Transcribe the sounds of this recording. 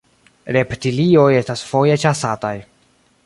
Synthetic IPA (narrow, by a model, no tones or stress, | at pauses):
ɾe̞ptilio̞je̞stasfo̞je̞t͡ʃasataj